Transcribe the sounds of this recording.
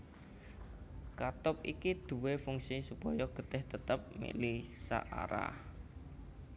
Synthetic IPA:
kat̪ʊp̚ḭkid̪̥ṳwefuŋsisupɔjɔɡ̥ə̤t̪ɛht̪ət̪əp̚mḭʔlisa̰ʔa̰ɾa̰h

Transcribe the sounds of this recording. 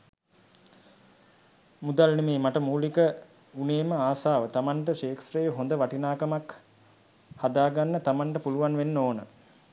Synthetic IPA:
mud̪alnemeːmaʈəmuːlikə | uneːməaːsaːʋət̪amaɳʈəʃeːksrejəɦond̪əʋaʈinaːkɐmak | had̪aːɡanːət̪amaɳʈəpuluʋanʋenːoːnə̰

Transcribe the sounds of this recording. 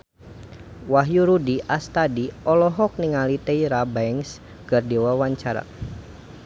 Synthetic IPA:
waɦjuɾudiʔast̪adiɔlɔɦɔk̚niŋalit̪eiɾabaɛŋs | ɡ̥ərdiwawaɲt͡ʃaɾa̰

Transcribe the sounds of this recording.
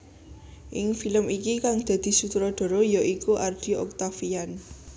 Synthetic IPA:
ʔɪŋfiləmikikaŋd̪̥ä̤d̪̥i̤sut̪ɾɔd̪̥ɔ̤ɾɔjaʔikuʔard̥i̤ɔ̰k̚t̪afijan

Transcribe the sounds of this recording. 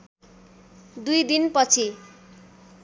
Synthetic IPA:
d̪ujd̪inpʌt͡sʰi

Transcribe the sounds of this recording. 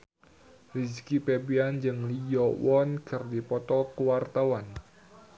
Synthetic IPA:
riskipebiand͡ʒɨŋlijɔwɔnkɨrdipɔt̪ɔkuwart̪awan

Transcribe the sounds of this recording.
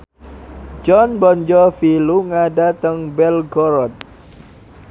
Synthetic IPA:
d͡ʒɔnbɔɲd͡ʒɔfiluŋadat̪əŋbɛlɡɔɾɔt̪̚

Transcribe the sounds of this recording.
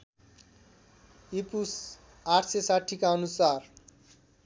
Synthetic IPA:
ipus | aʈʰsesaʈʰikaʌnusar

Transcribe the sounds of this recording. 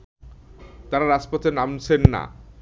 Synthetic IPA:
t̪aɾaɾaspot̪enamt͡ɕʰenːa̰

